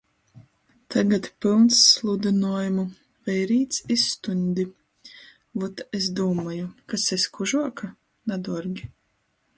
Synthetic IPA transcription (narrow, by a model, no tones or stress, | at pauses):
t̪ʰaɡat̪pʲilˠnsːlˠud̪inuɔjumu | vɛjɾiːt̪sist̪unʲd̪ʲi | vɔt̪esd̪uːmajukasɛsʲkuʒuɔka | nad̪ɔɾɡʲi